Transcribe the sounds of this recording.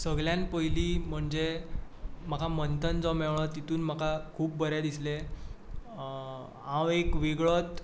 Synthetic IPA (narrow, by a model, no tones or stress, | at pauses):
səɡɭjãnpəjliːm̤əɳd͡ze | m̤akʰamənt̪ʰənd͡zɔmɛʋɭ̃ɔt̪it̪uːnm̤akʰakʰuːp̚bəɾjad̪isle | ãwekʋiɡɭɔt̪